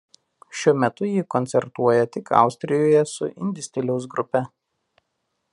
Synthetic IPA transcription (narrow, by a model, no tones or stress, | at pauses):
ʃʲuɔmʲɛt̪ʊjiːkɔnʲt̪sʲɛɾt̪uɔjɛt̪ʲɪkʰɑ̰ˑʊsʲt̪ʲɾʲɪjoːjɛsʊ̰ʔɪ̰nʲd̪ʲɪsʲt̪ʲɪlʲɛʊs̬ɡɾʊpʲɛ